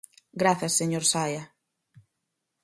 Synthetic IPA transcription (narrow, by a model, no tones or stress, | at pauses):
ɡɾaθɐsːeɲoɾsajɐ